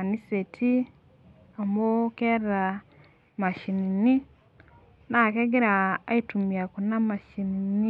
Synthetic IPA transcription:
a˨ni˦se˨tʰi˦ | a˨mo˦ke˦ra˨ | ma˨ʃi˨ni˨ni˦ | na˨ke˦ɡe˦ɾa˨a˦itumia˨kuna˦ma˨ʃinini˦

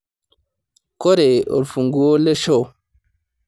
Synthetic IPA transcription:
kɔ˦ɾɛ˨ɔ̰˨ɾfu˨ŋɡu˨wɔ˦lɛ˦ʃɔ˦˨

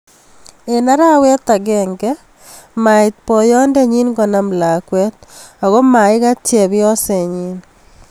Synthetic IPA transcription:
e˨na˦ɾa˦wɛ˦t̪a˨ɡɛŋɡɛ | ma˨ɪ˨t̪̚pɔ˨jɔ˦ndɛ˦ɲi˦nɡɔ˨na˨mla˨kwɛ˦t̪̚a˨ɣo˦ma˨ɪ˦ɣa˦tjɛ˨βjɔ˦sɛ˨ɲi˦n

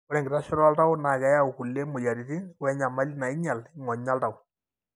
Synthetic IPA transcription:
ɔ˦ɾɛ˨ŋɡɪ˨ɾa˦ʃɔ˦ɾa˦lta˦ʊ˦na˨kɛ˨ja˦u˨ku˨le˦mo˨ja˨ɾi˨ti˦nwɛ˦ɲa˨ma˦lna˨ɪ˦ɲa˨lŋɔ˨ɲa˦lta˨ʊ˨

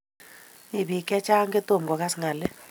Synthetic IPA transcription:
i˨bi˨kʼɛ˦t͡ʃʼa˦ŋɡɛ˦to˦˨m˨ɡɔ˨k̬a˦si˨ŋa˨lɛ˦

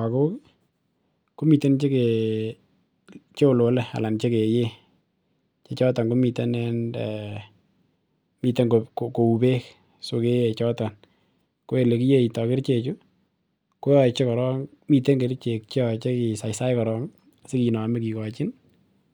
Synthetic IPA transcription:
a˨ko˦ | ko˦mi˨te˦nt͡ʃe˦ke˨ | t͡ʃe˦o˨lo˨lea̰˨la˨nt͡ʃe˦ke˨je˦ | t͡ʃe˦t͡ʃɔ˦ta˨ŋɡo˦mi˨te˦nɛ˦n | mi˨te˦ŋɡoko˨ko˨u˨be˦k | so˨ke˦e˨t͡ʃɔ˦ta˨n | ko˦e˨le˨ki˦je˦i˨tɔ˨kɪ˦ɾt͡ʃe˨t͡ʃu˦ | ko˦jɔ˨t͡ʃe˦kɔ˨ɾɔ˦ŋ | mi˨te˦ŋɡe˨ɾt͡ʃe˨k̚t͡ʃɔt͡ʃe˦ki˨sa˨jsa˦jkɔ˨ɾɔ˦ŋ | sɪ˦ki˨nɔ˨mɪ˦ki˨kɔt͡ʃɪ˦n

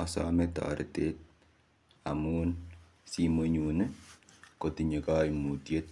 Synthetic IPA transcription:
ɔ˨sɔ̰mɛta̰ɾḭ˨tet̚ | a˨mun | simo˦ɲu˨ne˦ | ko˨ti˨ɲe˨ka˦jmu˨tje˦t̚

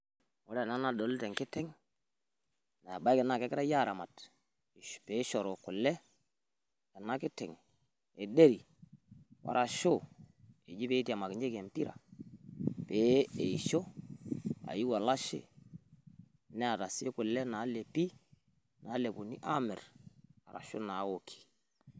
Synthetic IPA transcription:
o˦lɛ˦˨na˦na˨do˨ltɛ˨ŋkɪ˦tɛ˦ŋ | na˨ba˦i˦kɪ˨na˦˨kɛ˦kɪ˦ɾa˦ja˦˨ɾa˨ma˨t | pe˨˦ʃɔ˨ɾo˨kʊ˨lːɛ˦ | kɛ˨na˦kɪ˦tɛ˨ŋ | e˨de˦ɾi˨ | wa̰˦ɾʔa˨ʃo˦˨ | e˨d͡ʒi˦pe˦ti˦a˨ma˨kɪ˨ɲd͡ʒe˦ke˨mpi˦ɾa̰˨ | peː˨˦e˨ʃo˦ | a̰˨ji˦wa˨la˦ʃḛ˦ | nɛ˦a˨ta˨se˦kʊ˨lɛ˦na˨˦le˨pi˦ | na˨˦le˨pu˨nḭ˦ʔa˦mɛ˨ra̰˨ɾa̰˨ʃo̰˦na˨˦wo˨kʰi̥˨

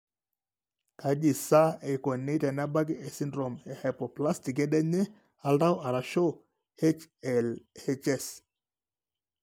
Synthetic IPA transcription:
ka˨d͡ʒi˨sa˦e˨ko˨ne˦tɛ˨na˦ba˦ɡɛ˨si˦ndɾo˨mɛ˨hɛ˨pɔ˨pla˦sti˨k̬ɛ˦ɗɛ˦ɲɛ˦ | a˨˦lda˦wa˨ɾa˨ʃo˦ | e˦t͡ʃɛ˨lɛ˦t͡ʃɛ˦s

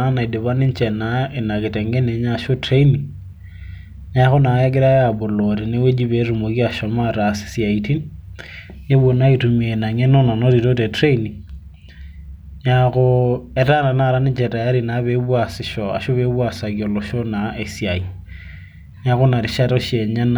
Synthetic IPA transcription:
a˦na˨i˨de˨βa˦ni˦nt͡ʃɛ˨na˨˦e˨na˨kɪ˨tɛ˨ŋɡɛ˦ne˨˦ɲa˦ʃo˦tɾe˦ni˨ | ɲa˦xʊ˦na˨˦ja˦ɡ̬ɪ˦ɾa˦a˨bʊ˨lɔɾi˨ne˦we˦d͡ʒi˦βe˨˦ɾu˨mo˨ki˦a˨ʃɔ˨ma˦ɾa˨si̥˨si˨a˨iti˦n | nɪ˦βo˨na˦i˨tu˨mi˨e˨na˨ɲɛ˦no˦na˨nɔ˦ɾi˨ɾo˦tɛ˨tɾe˦ni˨ | ɲaɣʊ˦ɛ˨ɾa˦na˨na˦˨ɾa˦nɪ˦t͡ʃɛ˨ɾa˨a˦ɾi˨na˨βe˦βwa˨sɪ˨ʃɔ˨a̰˨ʃo˦βe˦βwa˨sa˨kiɔ˨lɔ˨ʃɔ˦na˨e˨sia˨i˨ | ɲa˦ɣʊ˦na˨ɾi˨ʃa˦tɔ˦ʃe˨ɲa˦n

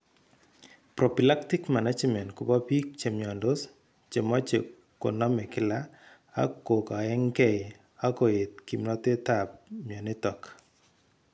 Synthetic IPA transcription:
pɾɔ˨pi˨la˦kti˦kma˨na˦d͡ʒmɛ˨ntku˨bɔ˦pi˦k̚t͡ʃe˨mjɔ˨ndo˦s | t͡ʃe˨mɔ˦t͡ʃe˨ | ko̰˨nɔ˦mɛ˨kɪ˦la˦ | a̰˦kːo˨ka˨ɛ˦ŋkɛ˦ | a˦ko˨e˨t̪̚ki˨mnɔ˦te˦ta˨p̚mjɔ˨nɪ˦tɔ˨k

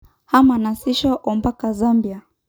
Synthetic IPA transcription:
ha˦ma˨na˨si˦ʃɔ˦ʔɔmba˦ka˨zambi˨a˨

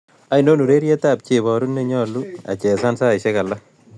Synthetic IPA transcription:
a˨ino˦nu˨ɾe˦ɾjɛ˦ta˨p̚t͡ʃe˨βɔ˨ɾu˦nːe˦ɲɔ˦lu˦a̰˨t͡ʃɛ˨sa˦nsa˦iʃe˦ka˨la˦

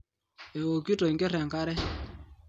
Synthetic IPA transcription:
e˨wo˨ki˦to˨i˨ŋɡe˦rɛ˨ŋka˦ɾɛ˦

